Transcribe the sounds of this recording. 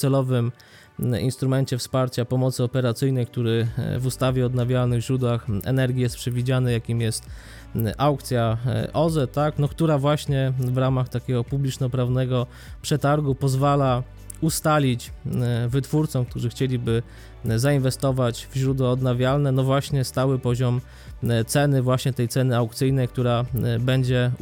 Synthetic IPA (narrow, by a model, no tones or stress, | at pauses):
sɛlɔvɘm | ḭnst̪ɾumɛnt͡ɕɛfspaɾt͡ɕapɔmɔt̪sɘɔpɛɾat̪sɘjnɛjkt̪uɾɘvust̪avʲjɛɔd̪navʲjalnɘvʑɾud̪waxɛ̰nɛɾɡʲijɛst̪̚pʂɛvʲid͡ʑanɘjakʲimjɛst̪ | ʔawkt̪sʲjaʔɔzɛt̪aknɔkt̪uɾavwaɕɲɛvɾamaxt̪akʲɛɡɔpublʲit͡ʂnɔpɾavnɛɡɔ | pʂɛt̪aɾɡupɔzvala | ust̪alʲit͡ɕvɘt̪fuɾt̪sɔmk̚t̪uʐɘxt͡ɕelʲibɘ | zainvɛst̪ɔvat͡ɕvʑɾud̪wɔɔd̪navʲjalnɛnɔvwaɕɲɛst̪awɘpɔʑɔm | t̪sɛnɘvwaɕɲɛt̪ɛjt̪sɛnɘawk̚t̪sɘjnɛjk̚t̪uɾabɛɲd͡ʑɛ